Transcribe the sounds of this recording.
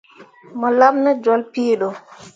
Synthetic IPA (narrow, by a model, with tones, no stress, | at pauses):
mɔ˨la˦mna˦d͡ʒɔ˦lpiː˦ɗɔ˨